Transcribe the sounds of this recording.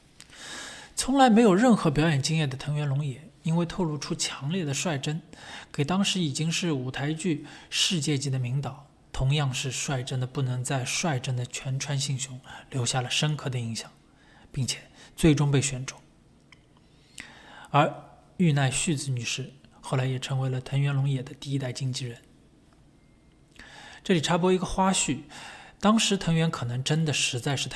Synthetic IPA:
t͡sʰʊ˧˥ŋla˧˥ɪme˧˥ɪjo˨˩ʊɻə˥˩nxɤ˧˥p̬jɑ˧˥ʊjɛ˨˩nt͡ɕi˥ŋjɛ˥˩d̪ə˩t̪ʰɤ˧˥ŋɥɛ˧˥nlʊ˧˥ŋjɛ˨˩˦i˥nwe˥˧ɪt̪ʰo˥˧ʊlu˥˩ʈ͡ʂʰu˥t͡ɕʰjɑ˧˥ŋljɛ˥˩d̪ə˩ʂwa˥˩ɪʈ͡ʂə˥nke˨˩ɪt̪ɑ˥ŋʂɻ̩˧˥i˨˩t͡ɕi˥ŋʂɻ̩˥˩u˨˩t̪ʰa˧˥ɪt͡ɕy˥˧ʂɻ̩˥˧t͡ɕjɛ˥˧t͡ɕi˥˩d̪ə˩mi˧˥ŋt̪ɑ˨˩˦ʊ | t̪ʰʊ˧˥ŋjɑ˥˧ŋʂɻ̩˥˧ʂwa˥˩ɪʈ͡ʂə˥nd̪ə˨pu˥˩nɤ˧˥ŋt͡sa˥˧ɪʂwa˥˩ɪʈ͡ʂə˥nd̪ə˨t͡ɕʰɥɛ˧˥nʈ͡ʂʰwa˥nɕi˥˩ŋɕjʊ˧˥ŋljo˧˥ʊɕja˥˩lə˩ʂə˥nkʰɤ˥˩d̪ə˩i˧˥ŋɕjɑ˨˩˦ŋ | pi˥˩ŋt͡ɕʰjɛ˨˩t͡swe˥˩ɪʈ͡ʂʊ˥ŋpe˥˩ɪɕɥɛ˧˥nʈ͡ʂʰʊ˨˩˦ŋ | ə˞˧˥ | y˥˧na˥˧ɪɕy˥˧t͡sɹ̩˧˩ny˨˩ʂɻ̩˥˩xo˥˩la˧˥ɪjɛ˨˩ʈ͡ʂʰɤ˧˥ŋwe˧˥ɪlə˧t̪ʰə˧˥ŋɥɛ˧˥nlʊ˧˥ŋjɛ˨˩d̪ə˦t̪i˥˩˧i˥t̪a˥˩ɪt͡ɕi˥ŋt͡ɕi˥˩ɻə˧˥n | ʈ͡ʂɤ˥˩li˨˩ʈ͡ʂʰa˥pwɔ˥i˧˥ɡə˧xwa˥ɕy˥˩t̪ɑ˥ŋʂɻ̩˧˥t̪ʰɤ˧˥ŋɥɛ˧˥nkʰɤ˨˩nɤ˧˥ŋʈ͡ʂə˥nd̪ə˨ʂɻ̩˧˥t͡sa˥˧ɪʂɻ̩˥˩t̪ʰ

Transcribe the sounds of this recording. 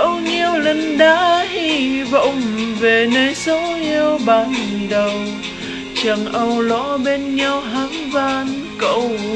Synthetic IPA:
ʔə˧wɲi˧əwlə˧˩ŋɗaː˨˦hi˧və̰˧˩wŋ͡mve˨˩nəː˧jsə˨˦wʔi˧əwɓaː˨˩nɗə˨˩w | t͡ɕə˨˩ŋʔə˧wlɔ̰˧˥ɓe˧nɲa˧wɦaː˨˦ŋvaː˧nkə̰˧˩w

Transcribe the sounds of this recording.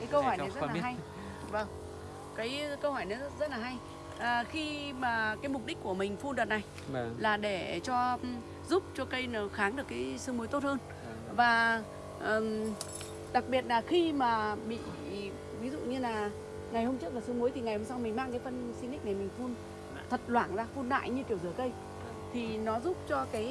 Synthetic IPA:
kaː˨˦jkə˧whɔ˧˩jn˨a˨˩jz̚lːa˨a˧j | və˨˩ŋ | kaː˨˦jkə˧whɔ˧˩jnɔ˨˦zə˦˥t̚laː˨˩ɦa˧j | ʔəː˨˩xi˧maː˨˩kaː˨˦jm˨˩k͡p̚ɗi˦˥k̟̚ku˧˩əmï˨˩ŋ̟fu˧nɗɨ˨˩t̚na˨˩j | laː˨˩ɗe˧˩t͡ɕɔ˧ | zu˦˥p̚t͡ɕɔ˧kə˧jn˨˩xaː˨˦ŋɗɨ˨˩əkːaː˨˦jsɨ˧ŋmu˨˦jt̪o˦˥t̚həː˧n | vaː˨˩ | ʔəː˨˩m | ɗa˨˩k̚ɓi˨˩ət̚laː˨˩xi˧maː˨˩ɓḭ˧˨ | vi˨˦zṵ˧˨ɲɨ˧laː˨˩ | ŋa˨˩jho˧mt͡ɕɨ˦˥k̚laː˨˩sɨ˧mu˨˦jt̪ʰi˨˩ŋa˨˩jho˧msa˧wŋ͡mmï˨˩ŋ̟maː˧ŋkaː˨˦jfə˧nsi˧nɗi̟˦˥na˨˩jmï˨˩ŋ̟fu˧n | t̪ʰə˨˩t̚lwaː˧˩ŋzaː˧fu˧nɗa̰ː˧˨jɲɨ˧ki˧˩əwzɨ˧˩əkə˧j | t̪ʰi˨˩nɔ˨˦zu˦˥p̚t͡ɕɔ˧kaː˨˦j

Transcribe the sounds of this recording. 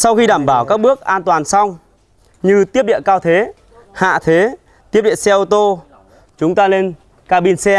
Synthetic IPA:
sa˧wxi˧ɗaː˧˩mɓaː˧˩wkaː˦˥k̚ɓɨ˦˥ək̚ʔaː˧nt̪waː˨˩nsa˧wŋ͡m | ɲɨ˧t̪i˦˥əp̚ɗḭ˧˨ə˨kaː˧wt̪ʰe˨˦ | ha̰ː˧˨t̪ʰe˨˦ | t̪i˦˥əp̚ɗḭ˧˨ə˨nsɛ˧ʔo˧t̪o˧ | t͡ɕʊ˨˦ŋ͡mt̪aː˧le˧n | kaː˧ɓi˧nsɛ˧

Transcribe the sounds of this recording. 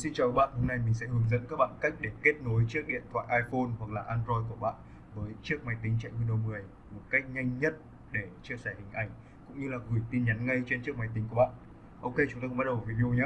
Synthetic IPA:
si˧nt͡ɕaː˨˩kaː˨˦˥ɓa̰ː˧˨nho˧mna˧jmï˨˩ŋ̟sɛ̰˧˥hɨ˨˦ŋzə̰˧˥nkaː˦˥k̚ɓa̰ː˧˨nka˦˥k̟̚ɗe˧˩ke˦˥t̚no˨˦jt͡ɕɨ˦˥ək̚ɗḭ˧˨ənt̪ʰwa̰ː˧˨jʔaː˧jfo˧nhwa˨˩k̚laː˨˩ʔaː˧nzɔ˧jku˧˩əɓa̰ː˧˨n | vəː˨˦jt͡ɕɨ˦˥ək̚ma˨˩jt̪ï˨˦ŋt͡ɕa̰ː˧˨jwi˧nɗo˧mɨ˨˩əj | mo˨˩t̚ka˦˥jk̟̚ɲa˧jŋ̟ɲə˦˥t̚ | ɗe˧˩t͡ɕi˧əsɛ˧˩hï˨˩ŋ̟ʔa˧˩jŋ̟ | kʊ̰˧˥ŋ͡mɲɨ˧laː˨˩ɣɨ˨˩jt̪i˧nɲa˨˦nŋa˧jt͡ɕe˧nt͡ɕɨ˦˥ək̚ma˨˩jt̪i̟˨˦ku˧˩ɓa̰ː˧˨n | ʔo˧wke˧t͡ɕʊ˨˦ŋ͡mt̪a̰ː˧ɓ̚ɗə˨˩˨vi˧ɗi˧o˧ɲaː˨˦

